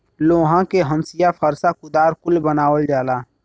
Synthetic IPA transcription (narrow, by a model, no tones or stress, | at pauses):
loːɦãkeɦə̃msɪjapʰəɾsakʊd̪aːɾkʊlbənaːwəld͡ʒaːlaː